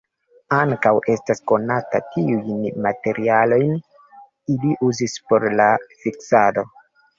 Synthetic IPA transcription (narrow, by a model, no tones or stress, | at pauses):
aŋkawe̞stasko̞nata̰tiujnmate̞ɾʔialo̞jn | iliʔuzispo̞ɾlafiksado̞